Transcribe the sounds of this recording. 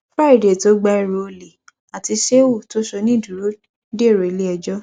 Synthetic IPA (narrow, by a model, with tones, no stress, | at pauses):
fɾa˦i˨de˨to˦ɡ͡ba˧i˧ɾo˧o˧le˨ | a˨ti˧ʃe˦wo˦˨to˦ʃɔ˧nĩ˦˨du˨ɾo˨˦ | de˦˨ɾo˨le˦ɛ˧d͡ʒɔ˦